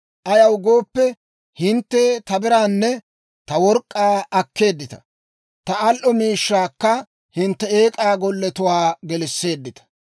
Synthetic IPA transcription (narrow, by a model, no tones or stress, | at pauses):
ʔɐjɐwɡo̞ːpːɛ | hɪnt̪ːeːt̪ɐbɪɾaːnːɛ | t̪ɐwɔɾkʼːaːɐkːe̞ːd̪ːɪt̪ɐ̥̰ | t̪ɐɐlʔɔmiːʃːaːkːɐ | hɪnt̪ːɛeːkʼaːɡɔlːɛt̪ʊwaːɡɛlɪsːe̞ːd̪ːɪt̪ɐ̥